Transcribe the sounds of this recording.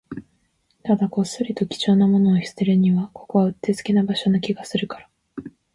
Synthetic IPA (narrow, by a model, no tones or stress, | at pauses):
t̪ad̪akosɨɾʲit̪o̞kʲi̥t͡ɕo̞ːnamo̞no̞ːçʲi̥seɾɯɲ̟iβako̞̥ko̞βaɯ̟t̪ːe̞zɨ̥kʲinabaɕo̞nokʲiɡasɨɾɯ̟kaɾa